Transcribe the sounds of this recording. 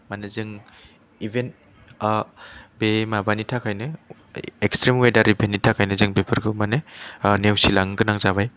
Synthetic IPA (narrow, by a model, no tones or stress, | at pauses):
manezɯŋ | ibʱen | bemabanitʰakʰajnɯ | ekstɾemwedaɾibenitʰakʰajnɯzɯŋbepʰɯɾɡʰɯmanenewsilaŋɡɯnaŋzabaj